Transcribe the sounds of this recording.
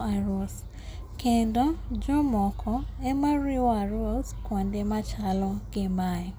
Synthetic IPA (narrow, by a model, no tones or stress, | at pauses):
aɾos | kendɔd͡ʒɔmɔkʰɔɛmaɾɪwɔaɾoskwɔndemat͡ʃalɔɡɪmajɔ